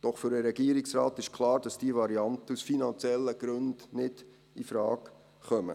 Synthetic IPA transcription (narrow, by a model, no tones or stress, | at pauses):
d̥ɔχfʏɾəɾɛɡ̥iəɾɪksɾɑːtɪʃkʰlɑːɾd̥ɑsd̥iəvɑɾiɑnt̪əusfinɑnt͡sjɛlːəɡ̥ɾɵndnɪd̥ | ifɾɑːk | χœmə̰